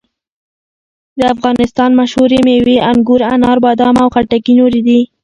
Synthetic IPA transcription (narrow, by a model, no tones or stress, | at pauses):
d̪əafɣɑnɪst̪ɑnmaʃhuɾemeweʔaŋɡuɾanɑɾbɑd̪ɑmawxaʈakinoɾid̪i